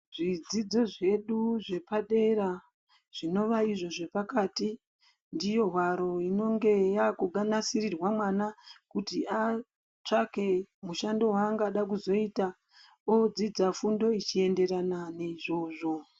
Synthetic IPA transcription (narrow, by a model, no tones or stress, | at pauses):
ʐid͡zid͡zo̞ʐe̞ɗuʐe̞paɗe̞ɾa | ʐ̥ino̞ʋaiʐo̞ʐe̞pakaːti | ndijo̞ɦwaɾo̞ino̞ŋɡe̞jakuɡʱanasirirwamwanakutiʔa | t͡ʂake̞muʃando̞waŋɡaɗakuzo̞ita | od͡zid͡zafundo̞it͡ʃie̞nde̞ɾananeiʐo̞ːʐo̞